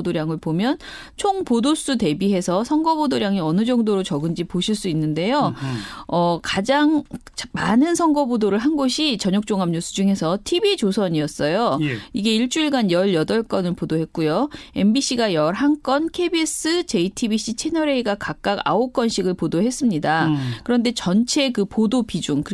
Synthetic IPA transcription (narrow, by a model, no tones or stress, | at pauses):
doɾjaŋɯɭpomjʌn | t͡ɕʰoŋpodos͈ute̞biɦe̞sʰʌsʰʌŋɡʌbodoɾjaŋiʌnɯd͡ʑʌŋdoɾot͡ɕʌɡɯnd͡ʑipoɕʰiɭs͈uinːɯnde̞jo | ʌkad͡ʑaŋt͡ɕmanɯnsʰʌŋɡʌbodoɾɯɭɦanɡoɕʰit͡ɕʌɲok̚t͡ɕ͈oŋɦamɲusʰud͡ʑuŋɦe̞sʰʌtʰibid͡ʑosʰʌɲiʌs͈ʌjoiɡe̞iɭt͡ɕ͈uiɭɡanjʌɭjʌdʌɭk͈ʌnɯɭpodoɦe̞t̚k͈ujoe̞mbiɕ͈iɡajʌɾɦaŋk͈ʌnkʰe̞bis͈ɯt͡ɕe̞itʰibiɕ͈ʰit͡ɕʰe̞nʌɾe̞iɡakak̚k͈aɡa̰ok͈ʌnɕʰiɡɯɭpodoɦe̞s͈ɯmɲidakɯɾʌnde̞t͡ɕʌnt͡ɕʰe̞kɯpodopid͡ʑuŋkɯ